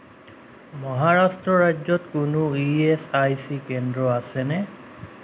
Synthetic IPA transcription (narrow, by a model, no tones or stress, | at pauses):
mɔɦaɹastɹɔɹad͡ʒzɔtkʊnʊiesajsikɛndɹɔasɛnɛ